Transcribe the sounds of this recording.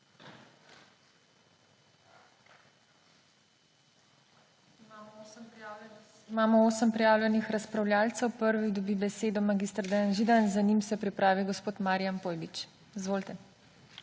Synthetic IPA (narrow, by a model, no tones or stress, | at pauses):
ima | imaːmɔoːsəmpɾɛjaːwlʲjɛnixɾaspɾawlʲjaːlt̪sɛwpəɾʋid̪ɔbibɛseːd̪ɔmaɡist̪ɾd̪ɛjanʒid̪anzanimsɛpɾipɾaːʋiɡɔspoːt̪maːɾijampoːjbit͡ʃ | izʋoːlt̪ɛ